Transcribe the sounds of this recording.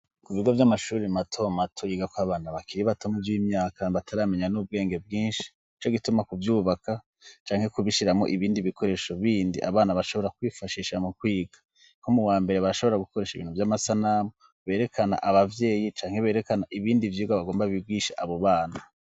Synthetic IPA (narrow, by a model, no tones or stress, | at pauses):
kuβiɡovjamaʃuːɾimatʰo̞matʰojiɡakwaːβaːnaβakiɾiβatomuvjiːmɲaːkaβatʰaɾame̞ɲanub̚ɡe̞ːŋɡe̞b̚ɡiːnʃi̥ | it͡ʃoɡitumakuvjuːβaka | t͡ʃaːŋ̥he̞kuβiʃiɾamo̞̰ʔiβiːndiβiko̞ɾe̞ːʃoβiːndiʔa̰βaːnaβaʃo̞βo̞ɾakwiːfaʃiʃamukwiːɡḁ | ŋkomuwaːmbe̞ɾe̞βaɾaʃo̞βo̞ɾaɡukoɾe̞ːʃiβiːnhuvjamasanamo | βe̞ːɾe̞kʰana̰ʔaβavje̞ːjit͡ʃaːŋ̥he̞βe̞ːɾe̞kanaʔiβiːndivjiːɡaβaɡo̞ːmbaβiɡiʃaʔaβo̞βaːna